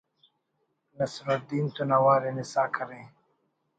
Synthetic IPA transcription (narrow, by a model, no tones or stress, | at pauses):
nɐsɾad̪iːnt̪unɐwaːɾenisaːkʰɐɾe